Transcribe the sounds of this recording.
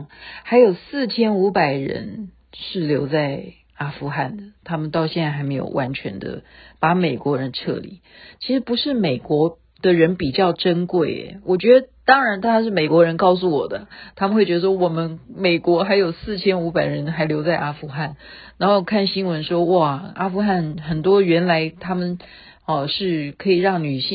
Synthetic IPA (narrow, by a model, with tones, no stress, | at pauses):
xa˧˥ɪjo˨˩ʊsɹ̩˥˩t͡ɕʰjɛ˥nu˧˥pa˨˩ɪɻə̰˧˥n | ʂɻ̩˥˩ljo˧˥ʊt͡sa˥˩ɪ | a˥fu˧˥xa˥˩nd̪ə˩t̪ʰa˥mə˨nt̪ɑ˥˧ʊɕjɛ˥˧nt͡sa˥˩xa˧˥ɪme˧˥ɪjo̰˨˩wʔa˧˥nt͡ɕʰɥɛ̰˧˥nd̪ə̰˧pa˧˥me˨˩ɪkwɔ˧˥ɻə˧˦˥nʈ͡ʂʰɤ̰˥˩lḭ˨˩˦ | t͡ɕʰi˧˥ʂɻ̩˧˥pu˧˥ʂɻ̩˥˩me˨˩ɪkwɔ˧˥ | d̪̥ə˨ɻə˧˥npi˨˩t͡ɕjɑ˥˩ʊʈ͡ʂə˥nkwe˥˩ɪ̰˨˩wʔɔ˨˩t͡ɕɥɛ˧˥d̪ə˧t̪ɑ˥ŋɻa˧˥nt̪ʰa˥a˥ʂ̬ɻ̩˥˩me˨˩ɪkwɔ˧˥ɻə˧˥nkɑ˥˩ʊs̬u˥˩wɔ˨˩d̪ə˦t̪ʰa˥mə˨nxwe˥˩t͡ɕɥ̪ə˧ʂwɔ˥wɔ˨˩mə˦nme˨˩ɪkwɔ˧˥xa˧˥ɪjo˨˩ʊsɹ̩˥˩t͡ɕʰjɛ˥nu˧˥pa˨˩ɪɻə˧˥nxa˧˥ɪljo˧˥ʊt͡sa˥˩ɪʔa˥fu˧˥xa˥˩nɻa˧˥nxo˥˩kʰa˥˩nɕi˥nwə˧˥nʂwɔ˥wa˥˩a˥fu˧˥xa˥˩nxə˨˩nt̪wɔ˥ɥɛ˧˥nla˧˥ɪt̪ʰa˥mə˨n | ə˨˩ʂɻ̩˥˩kʰɤ˧˥i˨˩ɻɑ˥˩ŋny˨˩ɕi˥˧